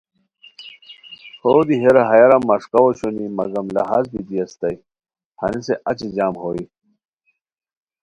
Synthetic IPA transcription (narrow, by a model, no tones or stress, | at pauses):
hoːd̪iɦeɾɐɦɐjɐɾɐmːɐʂkɐwoɕunimɐ̰ɡɐmlɐ̰ɦaːzbid̪iɐst̪ɐj | hɐ̰niseʔɐt͡ɕid͡ʑaːmhoːi